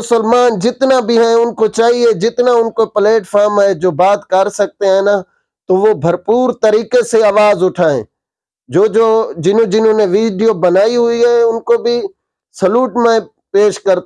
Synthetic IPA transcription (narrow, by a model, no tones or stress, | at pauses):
ʊsəlmaːnd͡ʒɪt̪nabʱiɦɛ̃ʊnkot͡ʃaːɦied͡ʒɪt̪naʊnkopəleːʈfʰaːɾmɦɛd͡ʒoːbaːd̪kɐɾsɐk̚t̪eɦɛ̃na | t̪oʋobʱɐɾpuːɾt̪ɐɾiːkeseaːʋaːzʊʈʰaːḛ̃ | d͡ʒoːd͡ʒoːd͡ʒɪnõd͡ʒɪnɦõːneʋiːɖijobɐnaːiɦʊiɦɛʊnkobʱi | sɐluːʈmẽ | peːʃkɐɾt̪